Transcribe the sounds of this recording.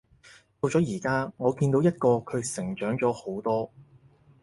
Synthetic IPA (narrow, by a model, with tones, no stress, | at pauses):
t̪o˧wt͡ʃɔː˨˥jiː˨˩kaː˥ŋɔː˨˧kiː˧nt̪o˨˥wjɐ˥t̚kɔː˧kʰɵ˨˧ɥsɪ˨˩ŋt͡ʃœː˨˥ŋt͡sɔː˨˥ho˨˥wt̪ɔː˥